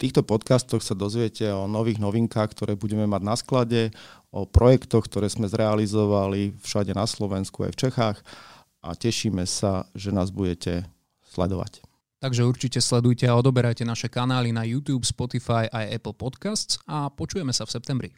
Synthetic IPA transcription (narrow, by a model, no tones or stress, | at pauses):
ft̪iːxt̪ɔpɔt̪kast̪ɔxsad̪ɔzʋɪɛcʰɛɔnɔʋiːɣnɔʋiŋkaːxk̚t̪ɔɾɛːbuɟɛmɛmaɟnasklaɟɛɔpɾɔjɛkt̪ɔxk̚t̪ɔɾɛːzmɛzɾɛalizɔʋalifʃaɟɛnaslɔʋɛnskua̰jft͡ʃɛxaːx | ʔa̰cɛʃiːmɛsaʒɛnaːzbuɟɛcɛ | slɛ̰d̪ɔʋa̰c | t̪aɡʒɛuɾt͡ʃicɛslɛd̪ujcɛaɔd̪ɔbɛɾajcɛnaʃɛkanaːlinajuːt̪juːpspɔt̪ifajʔajɛ̰pl̩pɔt̪kast̪t͡sapɔt͡ʃujɛmɛsafsɛp̚t̪ɛmbɾi